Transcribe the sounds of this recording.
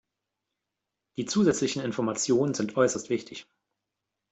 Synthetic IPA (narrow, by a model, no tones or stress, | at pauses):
d̥iːt͡suːzɛt͡slɪçn̩ɪnfɔɐmat͡sjoːnənzɪntʔɔʏsɐstv̥ɪçtʰɪç